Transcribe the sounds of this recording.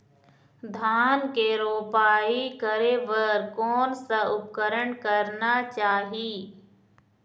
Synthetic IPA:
d̪ʱaːnkeɾoːpaːikəɾeʋəɾkɔːnsaʊp̚kəɾəɳkəɾnat͡ʃaːɦiː

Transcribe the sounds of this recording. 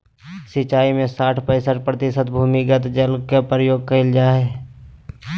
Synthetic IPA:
sɪt͡ʃaːimẽsaːʈʰpəɪsəʈpɾət̪ɪsət̪bʱuːmiɡət̪d͡ʒəlkepɾəjoːɡ̚kəɪld͡ʒaːɦeː

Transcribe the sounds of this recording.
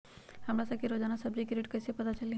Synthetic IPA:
hɐmɾasɐkeɾoːd͡ʒaːnasɐbɾikeɾeːʈkɐsepɐt̪at͡ʃɐli

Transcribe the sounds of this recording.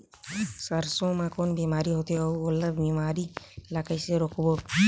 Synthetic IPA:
səɾsõmãkoːnbimaːɾiɦoːt̪iouoləbimaːɾilakəjseɾokʋo

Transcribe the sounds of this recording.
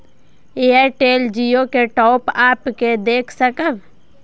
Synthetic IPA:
eːaɾʈeːld͡ʒiokeʈɔːpaːpked̪eːkʰsəkəb

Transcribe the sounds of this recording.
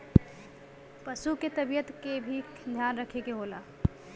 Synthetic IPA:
pəsuket̪əbijət̪kebʱi | d̪ʱjanɾəkʰekeɦola̰

